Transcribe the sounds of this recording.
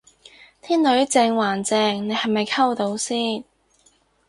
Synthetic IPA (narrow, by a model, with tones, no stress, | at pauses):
t̪ʰiː˥nlɵ˨˥ɥt͡sɛː˧ŋwaː˨˩nt͡sɛː˨˧ŋne˨˧jhɐ˨˩jmɐ˨jkʰɐ˥wt̪o˨˥wsiː˥˩n